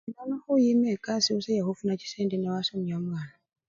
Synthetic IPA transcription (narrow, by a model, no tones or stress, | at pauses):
danɔhujimɛkasiusɛjahufunat͡ʃi̥sɛndinawasɔmiamwana